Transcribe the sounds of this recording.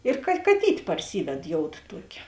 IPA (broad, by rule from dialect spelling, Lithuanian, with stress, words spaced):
ɪr kɐ kɐˈtʲiːtʲ pɐrʲˈsʲiːʋʲɛt ˈjoːʊt ˈtuɔkʲeː